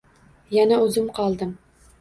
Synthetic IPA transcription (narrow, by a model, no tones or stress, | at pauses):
jænæʉzɪmqʰɒlˠd̪ɤm